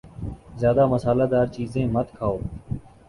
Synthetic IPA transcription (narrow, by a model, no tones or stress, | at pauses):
zjaːd̪aːməsaːlaːd̪aːɾt͡ʃiːzẽːmət̪kʰaːoː